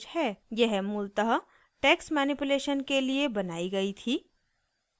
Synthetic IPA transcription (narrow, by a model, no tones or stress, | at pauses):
hɛːjɛɦmʊlt̪əɦə | ʈɛːksmɛːnipuleːʃənkeliebɐnaːiɡɐit̪ʰiː